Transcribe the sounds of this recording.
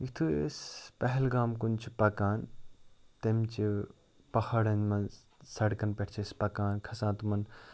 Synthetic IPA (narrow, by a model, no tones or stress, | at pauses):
ikt̪ʰuspɐɦɪlɡaːmkunt͡ʃʰipɐkaːn | t̪ɐmt͡ʃi | pɐhɐɽɐnmɐn | sɐɽkɐnpeʈʰt͡ʃʰispɐkaːnkʰɐsãːt̪umɐn